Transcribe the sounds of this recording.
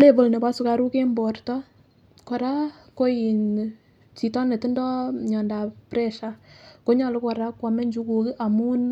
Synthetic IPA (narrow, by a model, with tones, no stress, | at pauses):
le˦˨bo˨lne˨pa˦su˨ka˦ɾu˦ke˦mbɔ˨rtɔ˦ | kɔ˨ɾa˦ko˦ji˨n | t͡ʃi˨tɔ˦ne˨tɪ˦ndɔ˦ɲɔ˨nda˨prɛ˦ʃa˨ko˦ɲɔ˨lɪ˦kɔ˨ɾa˦kwa˨mɛ˦ɲd͡ʒu˦ku˨kɪ˦ʔa˨mu˦n